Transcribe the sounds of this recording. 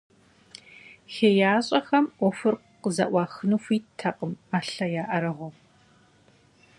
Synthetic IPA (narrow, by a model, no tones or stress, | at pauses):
xeːjaːɕʼɐxɐmʔʷɔfɨrq | qəzɐ̰ʔʷɑːxɨnuxʷiːtʰɐqʼəmaːɬɐjaːʔɐɾɐʁʷɔ